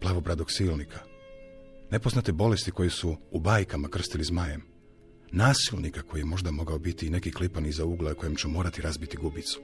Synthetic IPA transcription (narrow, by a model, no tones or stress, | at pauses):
plˠaːʋobɾad̪oɡsiːlˠnikʰa | ne̞poznat̪ebo̞le̞st̪iko̞jesuːbaːjkamakr̩st̪ilizmajem | naːsilˠnikako̞jijemo̞ʒd̪amo̞ɡaobit̪iːne̞kiklipanizauːɡleuko̞je̞mt͡ʃemo̞ːɾat̪iɾazbit̪iɡubit̪su̥